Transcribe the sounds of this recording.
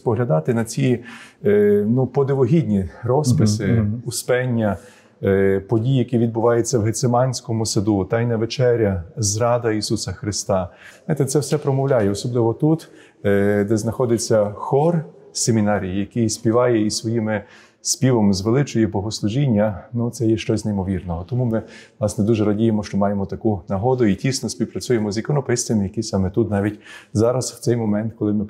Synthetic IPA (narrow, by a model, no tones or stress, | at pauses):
pɔɦlʲɐd̪ɑt̪ɪnɐt͡sʲi | nupɔd̪eʋɔɦʲidʲnʲiɾɔspɪsɪʊspɛnʲːɐ | pɔdʲijjɐkiʋʲid̪̚bʊʋɑjet͡sʲːɐwɦet̪semɑnʲsʲkɔmʊsɐd̪ut̪ɑjnɐʋet͡ʃɛɾʲɐzɾɑd̪ɐisusɐxɾɪst̪ɑnajt̪ɛt̪sɛwsɛpɾɔmɔwlʲajɛɔsɔblˠɪʋɔt̪ut̪ | d̪ɛznɐxɔd̪ɪt͡sʲːɐxɔr | semʲinɑɾʲijjɐkɪjsʲpʲiʋɑjɛisʋɔjimɪ | spʲiʋɔmzʋelˠɪt͡ʃɔjɛbɔɦɔslˠʊʒinʲːɐnut̪sɛjɛʃt͡ʃɔzʲnejmɔʋʲirnɔɦɔt̪ɔmumɪnɑsnɛd̪uʒɛɾɐdʲijemɔʃt͡ʃɔmɑjemɔt̪ɐkunɐɦɔd̪ʊitʲisnɔsʲpʲiwpɾɐt͡sʲujemɔzikɔnɔpɪst̪ʋʲɐmjɐkisɑmɛt̪ut̪nɑʋʲitʲzɑɾɐsw̥t̪sɛjmɔmɛnt̪kɔlˠɪmɪ